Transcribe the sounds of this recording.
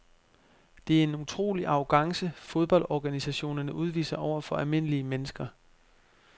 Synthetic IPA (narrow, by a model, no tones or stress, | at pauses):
d̥e̝æɐe̝nut͡sʰʁo̝̰ːliʔɑ̈ʊɡ̥ɑ̈ŋsəfo̝ð̞ˠb̥ɒ̽ldɒːɡ̥ænisæɕo̝̰ːnɐnəʔuð̞ˠʋḭːsɐʔɒʊ̰ɐfɒ̽ælme̝nəliəmenəsɡ̥ɐ